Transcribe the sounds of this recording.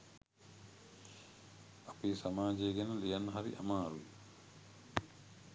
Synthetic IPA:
apiːsamaːd͡ʒeːɡɛnəlijanːɐɦaɾḭʔamaːɾu

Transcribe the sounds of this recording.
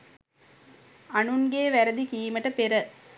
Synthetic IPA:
anuŋɡeːʋæɾəd̪ikiːməʈəpeɾə

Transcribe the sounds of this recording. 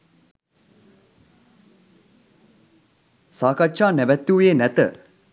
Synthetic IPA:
saːkatʃaːnæʋæt̪ːuːjeːnæt̪ə

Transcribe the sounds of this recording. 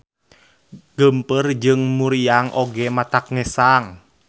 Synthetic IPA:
ɡ̥əmpərd͡ʒɨŋmuɾiaŋʔoɡɛmat̪ak̚ŋɛsaŋ

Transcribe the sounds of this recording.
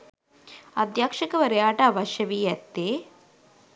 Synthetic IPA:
ɐd̪jaːkʂɐkɐʋɐɾɐjaːʈaːʋɐʃjɐʋiːjɐt̪ːeː

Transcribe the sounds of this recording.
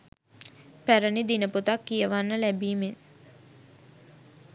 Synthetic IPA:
pæɾənid̪inəput̪akːijəʋanːəlæbiːmen

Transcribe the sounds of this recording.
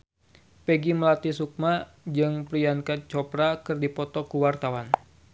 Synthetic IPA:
peɡiməlat̪isuk̚ma | d͡ʒɨŋpɾijankat͡ʃɔpɾakɨrdipɔt̪ɔkuwart̪awan

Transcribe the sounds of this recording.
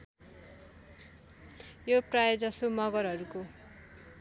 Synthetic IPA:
joprajod͡zʌsomʌɡʌɾɦʌɾuko

